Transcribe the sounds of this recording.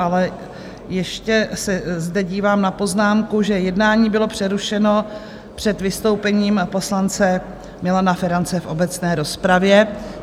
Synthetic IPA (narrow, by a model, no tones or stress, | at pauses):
alɛ | jɛʃcɛsɛzdɛɟiːvaːmnapo̞znaːmkuʒɛjɛdnaːɲiːbɪlo̞pr̝̥ɛɾuʃɛno̞ | pr̥ɛt̪vɪst̪o̞wpɛɲiːmpo̞slant͡sɛ | mɪlanafɛɾant͡sɛfʔo̞bɛt͡snɛːɾo̞spɾavjɛ